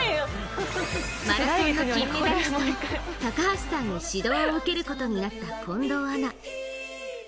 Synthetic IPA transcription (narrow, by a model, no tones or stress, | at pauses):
maie | t̪akahasi̥sãɲ̟ːiɕid̪o̞io̞ɯ̟ke̞ɾɯ̟ko̞t̪o̞ɲ̟inat̪ːakʰõ̞nd̪o̞ːana